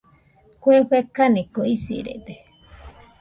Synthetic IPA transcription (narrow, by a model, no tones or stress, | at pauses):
kʷweɸekanikoisḭɾḛd̪e